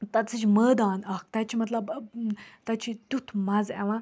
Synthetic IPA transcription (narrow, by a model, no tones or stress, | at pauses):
t̪at͡sɨt͡ʃməːd̪aːnɐk̚t̪at͡ʃʰimɐt̪lɐb | t̪at͡ʃʰit̪ʲut̪ʰmazɛ̰ʋã